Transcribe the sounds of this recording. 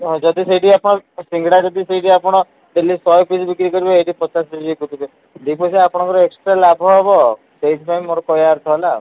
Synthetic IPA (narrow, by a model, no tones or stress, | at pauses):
ɔ̃d͡ʒɔd̪iseiʈiapɔɽ̃ɔsiŋɡɽad͡ʒɔd̪iseiʈiapɔɽ̃ɔ | d̪elːisɔjpisbikɾikɔɾibeeʈipɔt͡ʃaspid͡ʒekut̪ʰibe | d̪ipɔsiapɔɽ̃ɔ̃ŋkɔɾɔeksʈɾalabʱɔɦebɔ | seiʈʰipajmːoɾɔkɔjaɾt̪ʰɔla